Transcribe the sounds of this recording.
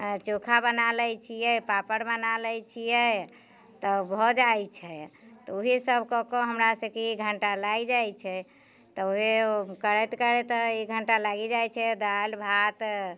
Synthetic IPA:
t͡ʃokʰabənalɛjt͡ʃʰijɛpapəɾbənaləjt͡ʃʰijɛ | t̪ɔbʱɔd͡ʒajt͡ʃʰɛt̪ɔoɦisəbʱkɔkɔɦəmɾasəkeiɡʱəɳʈalaɡd͡ʒajt͡ʃʰɛ | t̪ɔoɦekəɾɛt̪kəɾet̪ɔiɡʱəɳʈalaɡid͡ʒajt͡ʃʰɛd̪albʱat̪

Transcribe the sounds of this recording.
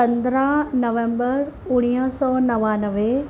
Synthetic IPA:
pɐ̃nd̪əɾãnɐʋẽmbəɾʊɽ̃ijəsɔːnɐʋanəʋe

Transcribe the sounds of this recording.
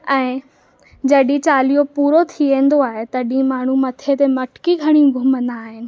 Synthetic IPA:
ɛ̃ː | d͡ʑɐɗĩt͡ɕaːlijopuːɾot̪ʰiẽːn̆d̪oaːɦet̪ɐɗĩmaːɳ̤umɐt̪ʰet̪emɐʈkiɡʱɐɽ̃ĩɡʱʊmə̃nd̪aːɦɪnɪ̆

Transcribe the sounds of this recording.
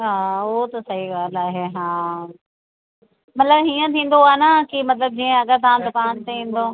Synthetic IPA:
ɦaːʊɦot̪ɐsɐɦiɡaːlaːɦeɦãː | mɐt̪ləbɦiːə̃t̪ʰĩːn̆d̪oaːenakimɐt̪ləb̚d͡ʑiːẽɐɡəɾt̪ãːnd̪ʊkaːnt̪eĩːn̆d̪oː

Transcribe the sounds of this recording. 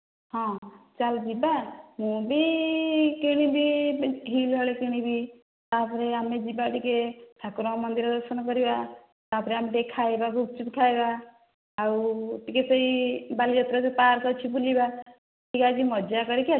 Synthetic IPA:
ɦɔ̃t͡ʃald͡ʒibamũbʱi | keɽ̃ibʱiɡʱiːlɦɔɭekiɽ̃ibʱi | t̪apʰɾeamed͡ʒibaʈikeʈʰakɾɔ̃mʌnd̪iɾd̪ɔɾsənkɔɾiba | t̪apʰɾeamʈekʰajbaɡuk̚t͡ʃut̪kʰajbaː | uʈikesəibalid͡ʒɔt̪ɾɔspaɾsɔt͡ʃʰipuliba | ʈikad͡ʒimɔd͡ʒakɔɾekia

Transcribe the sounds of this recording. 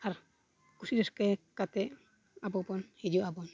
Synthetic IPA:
aɾ | kusidɛskɛkat̪ɛʔ | abɔpɔnhid͡ʒuʔabɔn

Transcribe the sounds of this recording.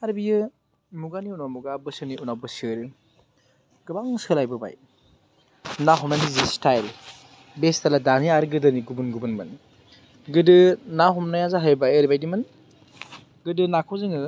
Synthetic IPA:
aɾbijɯ | muɡaniunawmuɡabɯsɯniunawbɯsɯɾɯ | ɡ̥ɯbaŋsɯlajbɯba̰j | naɦɔmnanizistajl | bestaladaniaɾɯɡɯdɯniɡubunɡubɯnmɯn | ɡɯdɯnaɦɔmnajazaɦajbajəɾibajdimɯn | ɡɯdɯnakʰɔwzɯŋɯ

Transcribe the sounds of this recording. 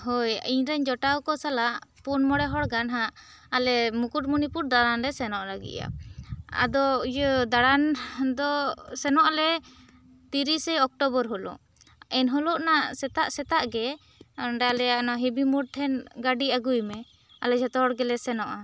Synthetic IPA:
ɦɔjiɲɾaɲd͡ʒɔʈawkɔsalaʔpunmɔɽɛɦɔɽɡanɦaʔː | lɛmukuʈ̚munipuɾ̚d̪aɽanɾɛsɛnɔʔlaɡḭca̰a̰d̪ɔujəd̪aɽand̪ɔsɛnɔʔlɛ | t̪iɾisɛjɔk̚ʈɔbɔɾɦɔlɔ̰ʔ | ɛnɦɔlɔʔnaʔsɛt̪aʔsɛt̪aʔɡɛ | ɳɖalɛanaɦɛbimuɽ̚t̪ʰɛnɡaɖiaɡujmɛ | a̰lɛd͡ʒɛt̪ɔɦɔɽɡɛlɛsɛnɔʔa

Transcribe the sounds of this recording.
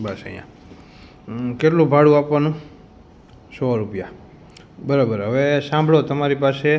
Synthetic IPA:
bəsə̰j̰̃ã̰ | keʈlũbʱaɽũapʋanũ | sɔɾupja | bəɾabəɾɦəʋesãmbʱɭot̪əmaɾipase

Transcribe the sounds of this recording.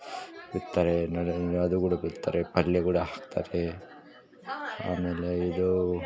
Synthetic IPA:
biɾt̪ːaːɾenɐɐd̪uɡuːɽɐbiɾt̪ːa̰ːɾepɐljɐɡuːɽɐɦaːkt̪ʰa̰ːɾe | a̰ːmeːleid̪u

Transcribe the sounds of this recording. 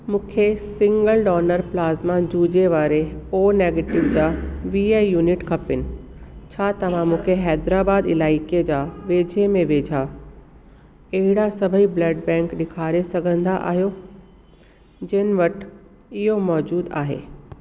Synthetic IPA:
mũːkʰesɪ̃ŋɡəlɖɔːnəɾplaːzmãd͡ʑuːd͡ʑeʋaːɾeoːneːɡeːʈɪʋd͡ʑaːʋiːaːjuːnɪʈkʰɐpɪnɪ̆t͡ɕʰaːt̪ɐʋ̤ãmũːkʰeɦɛːd̪ɾaːbaːd̪ɪlaːɪkied͡ʑaːʋeːd͡ʑʱemẽʋeːd͡ʑʱa | ɐɦɪɽasɐbʱəiblɐɖbɛ̃ːŋkɗɪkʰaːɾesɐɡʱə̃nd̪aʔa̰ːɦijo | d͡ʑɐɦnɪ̆ʋɐʈ | ɪɦomɔːd͡ʑuːd̪a̰ːɦḛː

